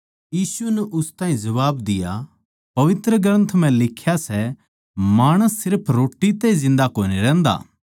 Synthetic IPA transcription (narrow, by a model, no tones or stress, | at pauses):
jiːsunɛʔʊst̪ãːɦĩd͡ʒɐʋaːbd̪ɪja | pɐʋɪt̪ɾəɡɾɐ̃nt̪ʰm̤ɛ̃lɪkʰːjasɛ | maːɽ̃əsːɪɾpʰɾoːʈːit̪ɛizɪ̃nd̪akoːniɾɛ̃ːnd̪a̰ː